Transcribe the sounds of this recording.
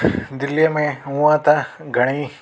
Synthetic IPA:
d̪ilijɐmẽũãt̪aɡʱɐɽ̃i

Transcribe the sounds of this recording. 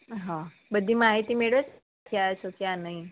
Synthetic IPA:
ɦã | bəd̪ʱːiːmaɦit̪iːmeɭʋet͡s | kʰiat͡ɕokjanaɦi

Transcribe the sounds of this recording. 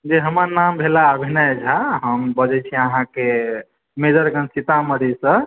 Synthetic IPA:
d͡ʒeɦəməɾnambʱelaəbʱinajd͡ʒʱaɦəmbəd͡ʒɛt͡ʃʰiiəɦãke | med͡ʒəɾɡənsit̪aməd̪esə

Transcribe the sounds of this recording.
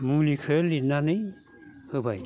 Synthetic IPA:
mulikʰəlinanɯj | hɯbaj

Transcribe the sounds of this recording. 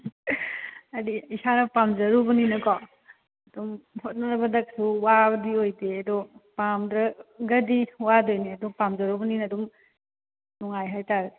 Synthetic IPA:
ɐdiisanɐpamzɐɾubɐninɐkɔ | ɐdumhot̚nɐnɐbɐdɐk̚suwabɐdiojdeɐdɔpamdɾɐɡɐdiwadojniɐduŋpamzɐɾubɐninɐduŋ | nɔŋajɦajtaɾ

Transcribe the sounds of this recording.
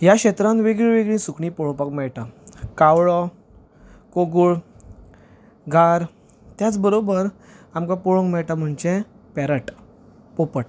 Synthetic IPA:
jaɕet̪ɾãnʋeɡɭĩʋeɡɭĩsukɳĩpɔɭõpakmɛɭʈakawɭɔ | koɡuɭ | ɡʱaɾ | t̪jat͡sbəɾobəɾ | amkapɔɭõŋɡmɛɭʈam̤əɳt͡ɕẽ | pɛɾəʈ | popəʈ

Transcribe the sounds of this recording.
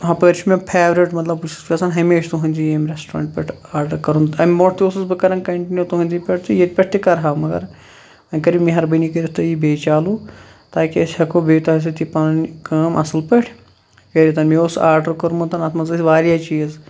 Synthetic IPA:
ɦɐpəɾt͡ʃʰumẽpʰeːʋɾiʈmɐt̪lɐbut͡ʃʰu̥skɐsɐnɦɐmeːʃt̪uɦɐ̃nʲd͡ʒijeːmɾesʈɾa̰ːɳʈ̚pʲeʈʰaːɾɖɐɾkɐɾũnɐmmoʈʰt̪iosɨsbɨkɐɾɐnkɐɳʈinjut̪uɦɐ̃nʲd͡ʒipʲeʈ̚ʰt̪ijet̪pʲeʈ̚ʰt̪ikɐɾɦaːmɐɡɐ̰ɾ | ɐnʲkɐɾimĩɦɐɾbɐnikɐɾit̪ɐjibeːt͡ʃaːlũ | t̪aːkiɐsʲhɐkobeːt̪ɐɦɐs̬it̪ipɐnnkɐːmʔɐsɨlpɐʈʰ | kɐɾit̪ɐnmẽosaːɾɖɐɾkɐɾmũt̪ɐnɐsmɐzsʲʋaːɾjaːt͡ʃiːz

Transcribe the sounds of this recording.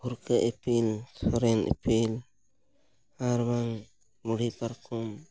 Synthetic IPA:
uɾkaʔepʰilsɔɾɛnɛ̰pʰil | aɾbaŋ | muɽipaɾkʰɔm

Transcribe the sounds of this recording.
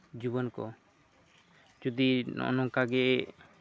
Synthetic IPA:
d͡ʒubɔnkɔ̰ | d͡ʒud̪inɔ̰nɔkaɡɛ

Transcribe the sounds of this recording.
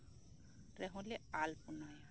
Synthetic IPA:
ɾɛɦʊ̃lɛalpʊnɔj

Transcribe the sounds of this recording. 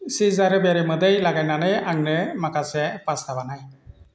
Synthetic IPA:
sizaɾəbeɾiməd̪əjlaɡajnanəjaŋnɯmakasɛpastabanaj

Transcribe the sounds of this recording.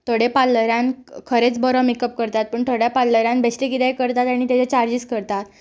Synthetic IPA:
t̪oɽepalːəɾjãnkʰəɾet͡sbɔɾɔmikəp̚kəɾt̪at̪̚pəːɳt̪ʰoɽjapalːəɾjãnbesʈekit̪ejkəɾt̪at̪aɽ̃it̪jat͡set͡ɕaɾd͡ʑiskəɾt̪at̪

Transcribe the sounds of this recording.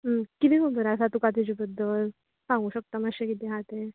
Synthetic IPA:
kit̪iməbəɾasat̪ukat̪id͡ʑibəd̪ʱːəl | sãŋɡuːɕək̚t̪aməɕekit̪eɦat̪e

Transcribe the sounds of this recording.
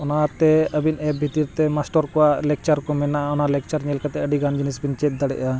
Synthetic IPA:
ɔnat̪ɛəbinɛb̚bʱit̪iɾt̪ɛmasʈɔɾkɔwalɛk̚t͡ʃaɾkɔmɛnaʔaɔnalɛk̚t͡ʃaɾɲɛlkat̪ɛəɖiɡand͡ʒinisbint͡ʃɛt̪̚d̪aɽɛ̰ʔa

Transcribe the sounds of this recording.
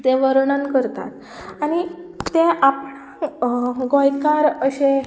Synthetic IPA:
t̪ẽʋəɾɳənkəɾt̪a̰t̪ | añit̪ẽʔap | ɡõjkaɾəɕe

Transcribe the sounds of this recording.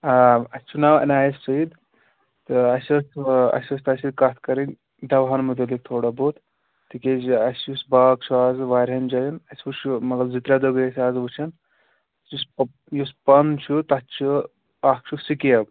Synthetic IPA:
aːɐsʲt͡ʃʰunawɐ̰naːjissɐid̪ | t̪ɨɐsʲɐsɐ̰sɐst̪ɐsid̪kat̪ʰkɐɾinʲ | d̪ɐʋɦaːnmut̪̬ɐlik̚t̪ʰoːɽabot̪ | t̪iked͡ʒɐsjusbaːɡ̚t͡ʃʰuaːzʋaːɾʲɦɐnd͡ʒɐjinɐsʲʋut͡ʃʰumɐɡɐlzit̪ɾad̪oɡesʲaːzʋut͡ʃʰɐn | jus | juspɐnt͡ʃʰut̪ɐt͡ʃʰu | aːk̚t͡ʃʰusikiɐb

